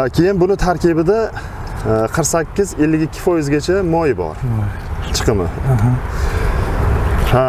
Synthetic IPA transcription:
kʲʰe̞jɪnbʊnɪt̪ʰaɾkʲɪbɪd̪a | qʰəɾqsakʲːɪze̞lːɪɡʲɪkʲʰːɪ̥fɒjɪzɡʲat͡ʃʰamɒjɪbɒ̰ɾ | t͡ʃʰɨ̥qʰɨmɪ̰ | ha

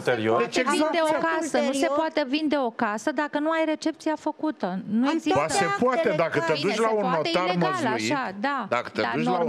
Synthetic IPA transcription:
t̪eɾiod̪et͡ʃeɡzad̪eokasənusepoat̪e̞vind̪e̞o̞kasəd̪akənuajɾe̞t͡ʃe̞p̚t̪siafəkut̪ənueziasepoat̪ed̪akət̪ed̪ut͡ʃlaunːot̪arməzaiʃad̪ad̪akə̥td̪edaut͡ʃ̪oa

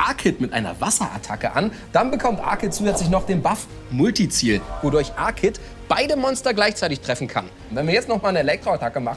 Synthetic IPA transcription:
ʔaɐkʰɪtmɪtʔaɪnɐ̰vasɐʔa̰tʰakəʔa̰n | d̥anbəkʰɔmtʔa̰ɐkʰɪt̚t͡suːzɛt͡slɪçnɔχd̥eːnbaf | mʊltit͡siːlvodʊɐçʔaɐkʰɪt | b̥aɪdəmɔnstɐɡlaɪçt͡saɪtɪçtʁ̥ɛfn̩kʰa̰n | nv̥ɛnviːɐjɛt͡stnɔχmaːlnəelɛk̚tʁ̥oatʰakəmaχ̩

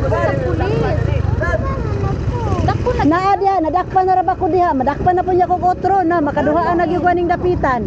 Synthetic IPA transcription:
naʔadɪhaʔnadak̚panaɾabakodɪɦaʔmadak̚panapʊnɲaʔkoɡot̪ɾonamakadʊɦaʔanaɡjʊɡwanɪŋdapit̪an

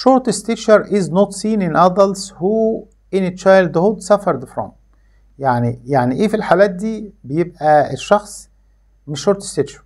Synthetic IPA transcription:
ʃoɾˤt̪est̪eʃɑɾˤʔiznot̪siːnenʔæd̪ˤɑlshuː | ʔenet̪ʃɑjld̪hod̪sæfɑɾˤd̪efɾɑ̰n | jaʕnijaʕniʔeːfilħalæːt̪̚d̪iːbejeb̚ʔæeʃːɑxsˤ | meʃːoɾˤt̪e̥st̪eʃɑɾ

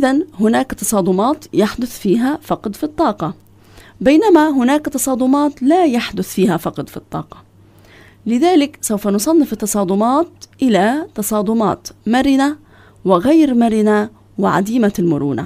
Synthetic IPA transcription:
ʔɪðanhʊnaːkt̪ɑsˤɑːd̪ˤʊmɑːt̪jaħd̪ʊθfiːɦafɑqd̪fit̪ˤːɑːqɑ | bajnamaɦʊnaːkt̪ɑsˤɑːd̪ˤʊmɑːt̪lajaħd̪ʊθfiːhafɑqd̪fit̪ˤːɑ̰ːqɑ̥ | lɪðaːlɪksawfanʊsˤɑnːɪfɪt̪ːɑsˤɑːd̪ʊmɑːt̪ʔɪlat̪ɑsˤɑːd̪ˤʊmɑ̰ːt̪maɾɪna | wɪɣajɾmaɾɪna | wɪʕa̰d̪iːmalmʊɾṵːna̰

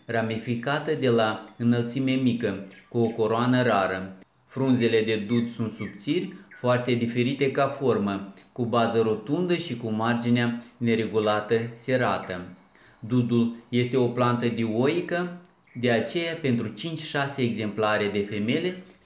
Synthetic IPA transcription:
ramifikat̪əd̪e̞laɨnəlt̪sime̞mikəkuo̞ko̞ɾoanəɾaɾə | fɾunze̞le̞d̪e̞d̪ud̪sunt̪sub̚t̪sirʲfoart̪e̞d̪ife̞ɾit̪e̞kafo̞rməkubazəɾo̞t̪und̪əʃikumard͡ʒineane̞ɾe̞ɡulat̪əse̞ɾat̪ə | d̪ud̪ulje̞st̪e̞o̞plant̪əd̪ioikə | d̪e̞at͡ʃe̞jape̞nt̪ɾut͡ʃint͡ʃʲʃase̞ːɡze̞mplaɾe̞d̪e̞fe̞me̞le̞

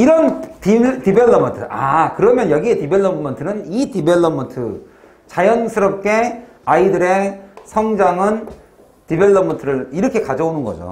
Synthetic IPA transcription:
iɾʌntitibeɭːʌmʌntʰɯakɯɾʌmjʌnjʌɡietibeɭːʌmʌntʰɯnɯnitibeɭːʌmʌntʰɯ | t͡ɕajʌnsʰɯɾʌp̚k͈e̞ | aidɯɾe̞sʰʌŋd͡ʑaŋɯn | tibe̞ɭːʌmʌntʰɯɾɯɭiɾʌkʰe̞kad͡ʑʌonɯnɡʌd͡ʑo̰

